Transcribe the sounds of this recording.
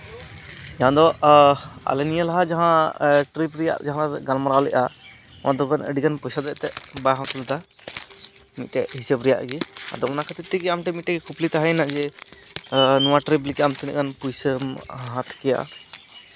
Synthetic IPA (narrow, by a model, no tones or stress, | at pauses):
d͡ʒaãd̪ɔ | a̰lɛnijəlaɦad͡ʒaɦãʈɾipɾɛja̰ʔd͡ʒaɦãlaɡanmaɾawlɛʔa̰ | nad̪ɔkanə̰ɖikanpɔjsad̪ɛʔt̪ɛʔbajɦãt̪ulɛt̪a | mit̪̚ˀʈɛʔɦisəbɾɛja̰ʔɡia̰d̪ɔmɔnakʰat̪it̪ːiɡɛamʈɛmit̪̚ʈɛkɛkʰuplit̪aɦəjnaʔd͡ʒɛ | nɔwaʈɾip̬likamt̪inɛʔkanpujsəmɦãt̪kɛja̰ʔ